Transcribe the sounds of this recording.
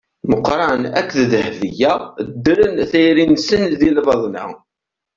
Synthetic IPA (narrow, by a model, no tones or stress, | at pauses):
məqɾˤɑnæ̰kʷːððəhvijæd̪ːəɾənθæjɾinsənðilvɑðˤnæ̰